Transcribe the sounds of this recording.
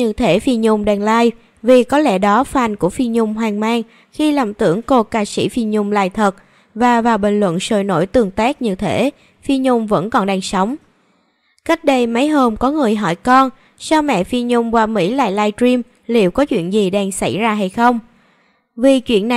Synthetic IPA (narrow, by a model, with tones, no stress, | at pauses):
ɲɨ̰˧˩t̪ʰe˧˩fi˧ɲʊ˧ŋ͡mɗaː˧˩ŋlaː˧j | vi˨˩kɔ˨˦lɛ̰˧˩ɗɔ˨˦faː˨˩nku˧˩əfi˧nɲʊ˧ŋ͡mɦwaː˨˩ŋmaː˧ŋ | xi˧la˨˧˩mt̪ɨ̰˧˩əŋko˧kaː˧sḭ˧˩fi˧nɲʊ˧ŋ͡mla̰ː˧˨jt̪ʰə˨˩t̚ | vaː˨˩vaː˨˩wɓï˧˨˩ŋ̟lwə̰˧˨nso̰˧˨˩jno̰˧˩jt̪ɨ˨˩əŋt̪aː˦˥k̚ɲɨ̰˧˩t̪ʰe˧˩˥ | fi˧ɲʊ˧ŋ͡mvə̰˧˥nkɔ˨˩nɗaː˧˩ŋsə˨˦wŋ͡m | ka˦˥jk̟̚ɗə˧jma˨˦jɦoː˧mkɔ˨˦ŋɨ˨˩əjɦɔ˧˩jkɔ˧n | sa˧wmɛ̰˧˨fi˧nɲʊ˧ŋ͡mkwaː˨˩mḭ˧˥la̰ː˧˨jlaː˧jtɹi˧m | lḭ˧˨əwkɔ˨˦t͡ɕwḭ˧˨ənzi˨˩ɗɛ˧ŋsa˧˩jzaː˧ɦa˧jxə˧wŋ͡m | vi˨˩t͡ɕwḭ˧˨ənːa˨˩